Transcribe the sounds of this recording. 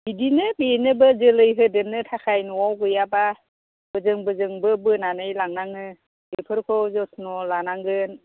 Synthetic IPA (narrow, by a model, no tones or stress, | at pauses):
bidinɯbenɯbɯzɯlɯjɦɯdenɯtʰakʰajnɔwawɡɯjaba | b̥ɯzɯŋbɯzɯŋbɯbɯnanɯjlaŋnaŋɯ | ɯpʰɯɾkʰɔwzɔsʰnɔlanaŋɡɯn